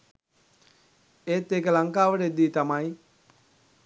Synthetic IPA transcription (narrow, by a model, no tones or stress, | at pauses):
eːt̪ːekəlaŋkaːʋəʈəed̪ːiːt̪amaj